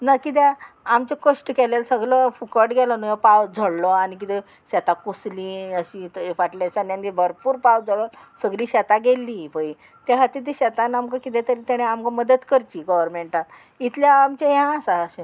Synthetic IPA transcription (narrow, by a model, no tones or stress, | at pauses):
nakit̪a | amt͡ɕekoʂʈkɛlelsəɡɭɔfukəʈɡʱɛlɔnujɔpawd͡zʱəɽlɔañik̬it̪ɛ | ɕɛt̪akuslĩəɕiʋaʈlasanãnibʱəɾpuːɾpawd͡zʱəɭɔsəɡliːɕɛt̪aɡelːipəi | t̪jaɦat̪it̪̬iɕɛt̪anamkakit̪ɛt̪əɾit̪aɽ̃eamkaməd̪ət̪kəɾt͡ɕiːɡəʋəɾmeɳʈat̪ | it̪ʰljaːmt͡ɕeɦãsaːɕe